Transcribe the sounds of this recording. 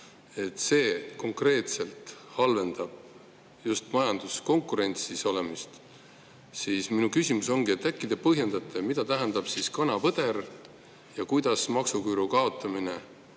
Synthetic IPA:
e̞t̪ːˑse̞ːko̞ŋkre̞ːt̪se̞lt̪hɑlve̞nd̪̥ɑb̥̚ | just̪mɑjɑnd̪̥usko̞ŋkːˑuɾe̞nʲt̪siso̞le̞mist̪ | siːsminukysʲimuso̞ŋɡie̞t̪ːˑækːˑid̪̥e̞pɤɦje̞nd̪ɑt̪ˑːemid̪ɑt̪æɦænd̪ɑb̥siskɑnɑpɤd̪̥e̞ɾ | jɑkujd̪̥ɑsmɑksukyːɾukɑo̞t̪ːˑɑmine̞

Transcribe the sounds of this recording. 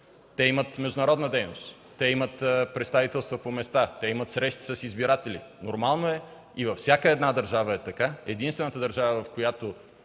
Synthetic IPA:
t̪ɛimət̪mɛʒd̪ʊnɐɾɔd̪nəd̪ɛjnost̪ | t̪ːɛimət̪pɾɛt̪st̪avit̪ɛlˠst̪vəpomɛst̪at̪ɛimət̪sɾɛʃt̪i̥sɐsizbiɾat̪ɛlḭnoɾmalˠnoɛ | ivɐfsʲjakəɛd̪nad̪əɾʒavəɛt̪ɐkaɛd̪inst̪vɛnət̪əd̪əɾʒavəvɐfkojat̪o

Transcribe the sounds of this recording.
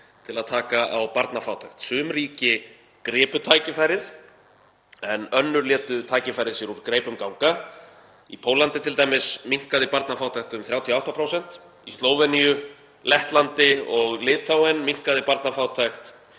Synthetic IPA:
t̪ʰɪlaðt̪ʰaːkaʔawpaɾt̪nafaːwt̪ʰajxt̪sʏːmɾiːcɪ | kɾɛːpʏt̪ʰaːjcɪfajɾɪð | ɛnœnːʏɾlɛːt̪ʏt̪ʰaːjcɪfajɾɪðsjɛɾuɾkɾeːjpʏmkawŋka | ḭpʰoːwlant̪ɪt̪ʰɪlt̪ajmɪsmiŋ̥kaðɪpaɾt̪nafaːwt̪ʰajht̪ʏmθɾjawt̪ʰiɔawht̪apʰɾowsɛn̥t̪ | ist̪loːwvɛnijʏ | lɛht̪lant̪ɪɔɣlɪːt̪ʰθawɛnmiŋ̥kaðɪpaɾt̪nafaːwt̪ʰajxt̪

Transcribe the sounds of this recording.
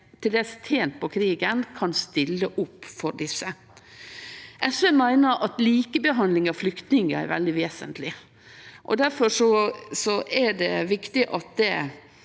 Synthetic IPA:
t̪ʰɪld̪eːst̪ʰeːnt̪̚pʰɔkʰɾiːɡənkʰɑnst̪ɪlːəʔʊpːfɔɾɖɪsːə | ʔɛsʋɛmæɪnəɾʔɑt̪liːkəbəɦɑnd̪lɪŋɑflʏkt̪nɪŋəæ̰ɾʋɛ̰ld̪ɪʋeːsə̰nt̪ʰlɪ | ʔɔ̰d̪æɾfɔʂɔsɔʔæɖɛʋɪkt̪ɪʔɑt̪̚d̪ɛ

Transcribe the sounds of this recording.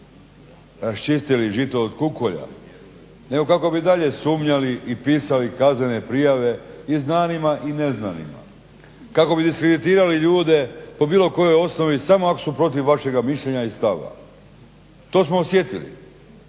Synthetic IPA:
ɾast͡ʃist̪iliʒit̪oːd̪kukoʎa̰ | neɡo̞kako̞bid̪aʎe̞suːmɲaliʔipiːsalikazne̞ne̞pɾijaʋe̞iznaːnimaʔineznanḭma̰ | kako̞bid̪iskɾed̪it̪iːɾaliʎuːd̪e̞po̞biːlo̞ko̞jo̞jo̞sno̞ʋisamo̞akosupɾo̞t̪̬iʋːaʃe̞ɡamiʃʎeɲaist̪aʋa̰ | t̪o̞ːsmoːsje̞t̪ilḭ

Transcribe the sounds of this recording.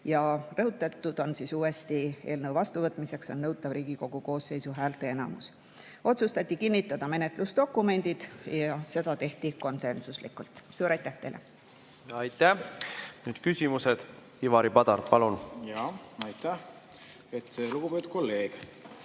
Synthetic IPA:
jɑrɤɦut̪ːˑɑt̪ːˑud̪̥o̞nsiːsuːest̪ie̞ːlnɤwvɑst̪uvɤt̪ːˑmise̞kso̞nːɤwt̪ːˑɑvɾiːɡ̥iko̞ɡ̥uko̞ːsːe̞jsuɦæːlt̪ˑe̞enɑ̰mus | ʔo̞t̪sust̪ɑt̪ʲˑːikinːit̪ːˑɑd̪̥ɑme̞net̪ˑlusd̪o̞kːˑume̞nʲd̪̥id̪̥jɑse̞d̪̥ɑt̪e̞ht̪iko̞nse̞nsuslikːˑult̪suːɾɑjt̪ːˑæht̪e̞jlʔḛ | ɑjt̪ːˑænyːd̪̥kysʲimused̪̥ | ivɑɾipɑd̪ɑɾpɑlunjɑɑjt̪æh | et̪luɡ̥ubet̪u̥kolːe̞ːɡ̥

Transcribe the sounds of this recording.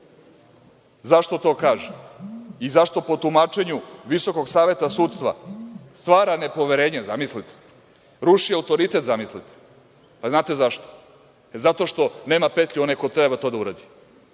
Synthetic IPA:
zaʃt̪o̞t̪o̞ːkaːʒeizaʃt̪o̞po̞t̪umat͡ʃeɲuʋiso̞ko̞ɡsaːʋe̞t̪asuːt̪st̪ʋa̰st̪ʋaːɾane̞po̞ʋeɾeːɲezamislit̪e̥ | ɾuʃijaut̪o̞ɾit̪e̞t̪zamislit̪e̥ | paznaːt̪e̞zaʃt̪o̥ | ezat̪o̞ʃt̪o̞ne̞ːmapet̪ʎʲuo̞najko̞t̪ɾebat̪o̞ːd̪auɾad̪i

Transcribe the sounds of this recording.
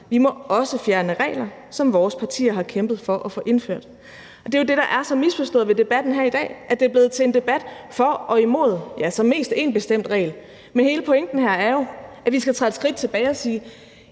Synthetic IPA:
ʋimɒ̽ɒ̽səfjæɐnəʁɛ̰ːlɐ | sɒ̽mʋɒːspʰɑ̈t͡sʰḭːɐɦɑ̈kʰemb̥ð̞̩ˠfɒ̽ʔɒfɔ̰̽ːʔe̝nføɐ̰d̥ | ʔɒ̽d̥e̝jo̝d̥e̝ɾ̥ɑ̈ʔæɐsɒ̽misfɒ̽sd̥ɔ̰ːð̩ˠʋe̝d̥e̝b̥æd̥n̩ɦæɐid̥ɛ̰ːʔæd̥e̝æɐb̥le̝ːð̞̩ˠt͡sʰe̝end̥e̝b̥æd̥fɒ̽ɒ̽imo̝̰ð̞̰ˠjæsɒ̽mːe̝̰ːsd̥e̝nb̥e̝sd̥em̰d̥ʁɛ̰ːl | menhe̝ːləpʰɔ̽eŋ̰d̥n̩ɦæɐ̰æɐjo̝ʔæʋisɡ̥æt͡sʰʁɑːd̥sɡ̥ʁid̥̚t͡sʰe̝b̥ɛːɪɒ̽siː

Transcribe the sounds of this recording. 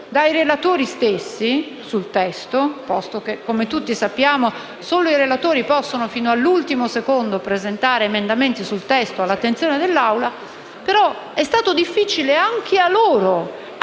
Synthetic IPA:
d̪ajɾelat̪oːɾist̪esːi | sult̪ɛst̪opɔst̪ok̟ekːomet̪ut̪ːisapːjaːmo | soːloiɾelat̪oːɾipɔsːonofiːnoalːult̪imosekond̪opɾezent̪aːɾeːmend̪ament̪isult̪ɛst̪oalːat̪ːent̪sjoːned̪elːawla | peɾɔ | ɛst̪aːt̪od̪ifːiːt͡ʃileaŋk̟ʰealoːɾo

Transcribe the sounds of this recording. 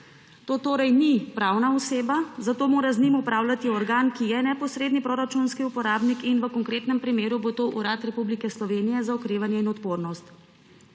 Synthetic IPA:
t̪oːt̪oːɾɛjnipɾaːwnaɔseːbazat̪oːmoːɾaznimupɾaːwlat̪iɔɾɡaːnkijɛnɛpɔsɾeːd̪nipɾoːɾat͡ʃunskiupɔɾaːbnikinʋəkɔŋkɾeːt̪nɛmpɾimeːɾubot̪oʔuɾaːt̪ɾɛpublikɛslɔʋeːnijɛzaɔkɾeːʋanjɛinɔt̪poːɾnɔst̪

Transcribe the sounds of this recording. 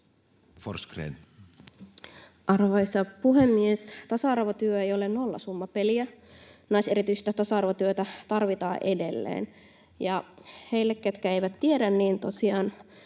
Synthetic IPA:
forskrḛn | ʔɑrʋɑisɑpuɦemːiest̪ɑsɑɑrʋot̪yøejolennolːɑ̰sumːɑpeliænɑiseɾit̪yise̥t̪t̪ɑsɑɑrʋot̪yøt̪æt̪ɑrʋit̪ɑːʔedelːḛːn | jɑheilːekkːet̪kæeiʋæt̪tiedænniːnt̪osiɑːn

